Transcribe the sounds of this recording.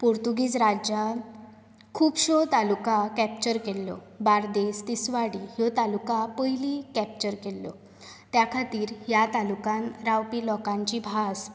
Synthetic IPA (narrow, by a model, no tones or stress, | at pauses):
poɾt̪uɡiːd͡zɾad͡ʑa | kʰuːpɕɔt̪alukakɛpt͡ɕəɾkelːɔ̰ | baɾd̪est̪isʋaɽiɦjɔt̪alukapəilikɛp̚t͡ɕəɾkelːɔ̰ | t̪jakʰat̪iːɾɦjat̪alukãnɾawpilɔkãɲt͡ɕibʱas